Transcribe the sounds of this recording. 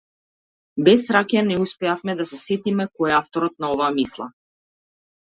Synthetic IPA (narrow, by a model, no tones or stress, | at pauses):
bɛsɾakanɛuspɛafmɛd̪asɛsɛt̪imɛkɔɛaft̪ɔɾɔt̪̚naɔvaːmislˠa̰